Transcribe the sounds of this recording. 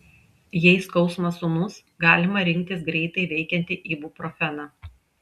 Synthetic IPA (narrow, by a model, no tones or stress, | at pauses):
jɛɪskɒʊsmɐsunʊs | ɡɑːlʲɪmɐɾʲɪŋʲk̚ʲt̪ʲɪsɡɾʲɛɪt̪ɐɪʋʲɛɪkʲɛnʲt̪ʲɪʔiːbuːpɾɔfʲɛnɑː